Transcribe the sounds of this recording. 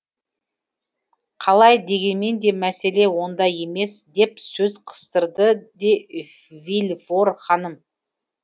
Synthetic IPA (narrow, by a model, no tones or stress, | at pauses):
qʰɑlˠɑjd̪e̞ɡʲe̞nme̞nd̪e̞mæse̞le̞wo̞nd̪ɑje̞me̞sd̪e̞psɵzqʰə̥st̪əɾd̪əd̪e̞ | vilʲvo̞ɾχɑnəm